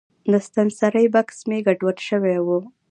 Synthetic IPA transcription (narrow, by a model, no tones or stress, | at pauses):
d̪əst̪ansaɾəjbaksmeɡaɖwaɽʃəwewu